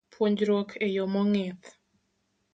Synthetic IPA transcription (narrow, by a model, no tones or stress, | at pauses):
pʰwoɲd͡ʒɾokʰejomɔŋɪt̪